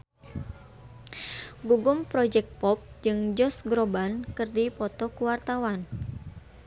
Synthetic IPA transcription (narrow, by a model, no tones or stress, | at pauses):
ɡuɡʊmpɾɔd͡ʒɛk̚t̪̚pɔp̚d͡ʒɨŋd͡ʒɔsɡɾɔbankɨrdipɔt̪ɔkuwart̪awan